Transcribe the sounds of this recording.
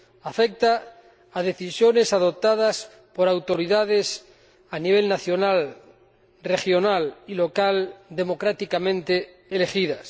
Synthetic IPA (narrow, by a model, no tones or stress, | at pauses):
afek̚t̪aː | ð̞e̞θisjo̞ne̞saðo̞p̚t̪að̞as | po̞ɾawt̪o̞ɾiðað̞e̞s | aniβ̞e̞lnaθjo̞nal | re̞xjo̞nalilo̞kald̪e̞mo̞kɾat̪ikamẽnt̪e | ele̞xiðas